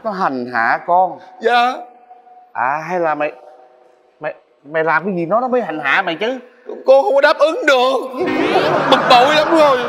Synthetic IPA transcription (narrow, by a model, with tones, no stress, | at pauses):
nɔ˨˦ɦa˨˩ŋ̟ɦa̰ː˧˩˨kɔ˧nzaː˧˨ | ʔaː˨˩ɦa˧jlaː˨˩mɛ̰˧˨j | mɛ̰˧˨j | mɛ̰˨˧˨jlaː˨˩mkaː˨˦zi˨˩nɔ˨˦nɔ˨˦mə˨˦jha˨˩jŋ̟ɦaː˧˥mɛ̰˧˨jt͡ɕɨ˧˦˨ | ko˧xə˧wŋ͡mkɔ˧˦ɗaː˦˥p̚ʔɨ˨˦ŋɗɨ˨˩ək̚ | mɨ˨˩k̚to˨˩˦jlə˨˦ŋ͡mzo˨˩j